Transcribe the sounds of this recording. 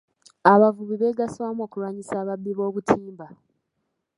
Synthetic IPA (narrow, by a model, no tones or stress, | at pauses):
aβavuβiβe̞ɡaswamoːkuɾwaːɲisaːβabːiβo̞ːβutʰiːmba